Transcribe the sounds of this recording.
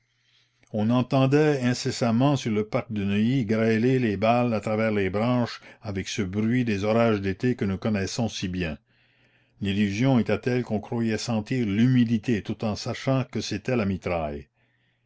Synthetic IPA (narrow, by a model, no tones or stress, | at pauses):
ɔ̃nɑ̃t̪ɑ̃d̪ɛɛ̃sesamɑ̃syʁləpaʁk̚d̪ənəiɡɾɛlelebalat̪ɾavɛːʁlebɾɑ̃ːʃavɛksəbɾɥid̪ezɔɾaʒd̪et̪ekənukɔnɛsɔ̃sibjɛ̃ | lilyzjɔ̃et̪ɛt̪ɛlkɔ̃kɾwajɛsɑ̃t̪iːʁlymid̪it̪et̪ut̪ɑ̃saʃɑ̃kəset̪ɛlamit̪ɾaj